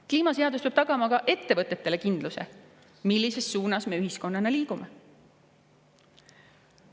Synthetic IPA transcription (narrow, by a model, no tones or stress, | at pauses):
kliːmɑse̞ɑd̪uspeb̥̚t̪ɑɡ̥ɑmɑkɑʔe̞t̪ːe̞vɤt̪ːˑe̞t̪ːe̞le̞kind̪̥luse̞̰ | milːise̞sːuːnɑsme̞yɦisko̞nːɑneliːkume